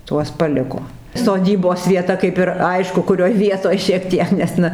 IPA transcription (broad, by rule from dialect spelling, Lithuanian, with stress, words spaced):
ˈtuɔs pɐˈlʲɪkoː soːˈdʲiːboːs ʋʲiɛˈtɐ kɐɪp ɪr ˈɐɪʃkʊ kʊˈrʲoːj ˈʋʲiɛtoːj ʃʲiɛk ˈtʲiɛk nʲɛs ˈnɐ